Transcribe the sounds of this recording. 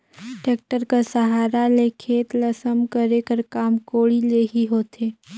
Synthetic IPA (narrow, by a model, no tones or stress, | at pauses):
ʈeːk̚ʈəɾkasəɦaːɾalekʰeːt̪lɐsəmkəɾekəɾkaːmkoːɽileɦiɦoːt̪ʰeː